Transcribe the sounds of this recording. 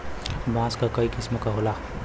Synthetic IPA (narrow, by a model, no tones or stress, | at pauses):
bãːskakəikisməkaɦola